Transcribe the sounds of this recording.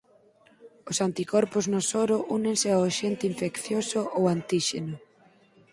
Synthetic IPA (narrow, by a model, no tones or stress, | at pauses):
ʊsant̪ikɔɾpʊznosoɾʊʔunẽŋsɪawʃent̪ɪiɱfekθjosʊʔowant̪iʃḛnʊ